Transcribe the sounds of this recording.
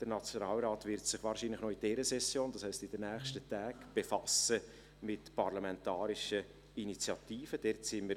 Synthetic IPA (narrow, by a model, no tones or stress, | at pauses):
d̥əɾnɑt͡sjonɑːlɾɑːtvɪɾtsɪχʋɑːɾʃinlɪχnoid̥ɛːɾəsɛsjoːnd̥ɑshɛɪstɪdənæːχʃtətæːɡb̥efɑsə | mɪtpɑɾlɑmɛntɑːɾiʃə | init͡sjɑtiːfəd̥ɛɾtsɪnməɾ